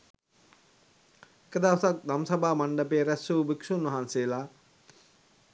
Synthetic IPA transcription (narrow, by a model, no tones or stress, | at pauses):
ekəd̪aʋsak̚d̪amsabaːmaɳɖəpeːɾæsuːbikʂunʋɐɦanseːlaː